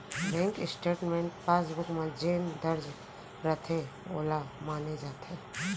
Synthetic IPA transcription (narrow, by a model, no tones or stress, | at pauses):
bɛ̃ːŋkɪsʈeːʈmẽːɳʈ̚paːsbʊkmãd͡ʒeːnd̪əɾd͡ʒ | ɾət̪ʰeo̰ːlamaːned͡ʒaːt̪ʰeː